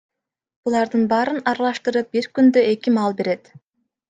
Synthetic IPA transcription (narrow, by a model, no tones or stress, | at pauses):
b̥ulˠɑɾd̪ɯnbɑːɾɯnɑɾɑlˠɑʃt̪ɯɾɯp̚biɾkynd̪øe̞kʲimɑlˠbe̞ɾe̞t̪